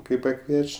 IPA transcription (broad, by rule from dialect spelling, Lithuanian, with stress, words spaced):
kɐɪ pɐˈkʋʲiɛt͡ʃʲ